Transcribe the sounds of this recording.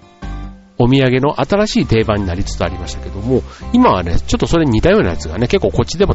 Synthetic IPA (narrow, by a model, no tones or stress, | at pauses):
o̞mʲiaɡe̞no̞ʔat̪aɾaɕiːt̪e̞ːbãɲ̟ːinaɾʲit͡sɨ̥t͡sɨaɾʲimaɕi̥t̪ḁke̞d̪o̞mo̞imaβane̞̰t͡ɕo̞t̪ːo̞so̞ɾe̞ɲ̟it̪ajo̞ːna̰jat͡sɨɡa̰ne̞ke̞kːo̞ːko̞t͡ɕːid̪e̞mo̞